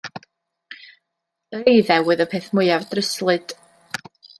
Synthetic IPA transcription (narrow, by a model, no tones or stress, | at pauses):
əɾejðɛwʊɨðəpʰeːθmʊɨavdrəslˠɨd̥